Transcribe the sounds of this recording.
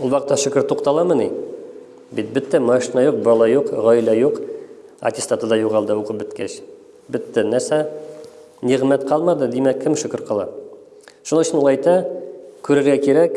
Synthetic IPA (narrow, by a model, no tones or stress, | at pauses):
ulbɑqt̪ːɑʃɵ̆kɘɾt̪uqt̪ɑlˠɑmɤ̆ni | bit̪̚bɘt̪ːæmɑʃinɑjuq̚bɑlˠɑjuqʁɒjlæjuq | ɐ̰t̪ʲɪst̪at̪ɤd̪ɑjuʁɑlˠd̪ɤuqɤp̚bɵ̆t̪kæɕ | bɘ̆t̪ːænæɾsæ | niʁmæt̪qʰɑlˠmɑd̪ɤd̪imækɘmʃɵ̆kɘ̆ɾqɑlˠɑ̰ | ʃunɤɵ̆ɕʲɘ̆nulˠɑjt̪ɑkʉɾɘ̆ɾɡækiɾæk